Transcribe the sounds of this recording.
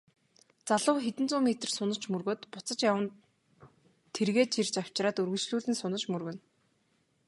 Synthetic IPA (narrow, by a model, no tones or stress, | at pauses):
t͡saɮʊːxet̪ɘ̆nt͡sʊːmet̪ə̆rsʊnə̆t͡ɕmɵrɣoːt̪pʊt͡sə̆t͡ɕjawə̆n | t̪ʰerɣeːt̪t͡ɕʰirt͡ɕaw̥t͡ɕraːt̪ɵrɣɵ̆ɮt͡ɕɮuːɮɘ̆nsʊnə̆t͡ɕmɵrɣɵ̆n